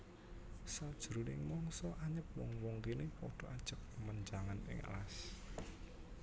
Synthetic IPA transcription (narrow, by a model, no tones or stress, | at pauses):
sad̥ʒ̥ɾunɪŋmɔŋsɔʔaɲəp̚wɔ̰ŋwɔŋkinepɔɖ̥ɔ̤ʔad̥ʒ̥ək̚məɲd͡ʒaŋanɪ̰ŋa̰las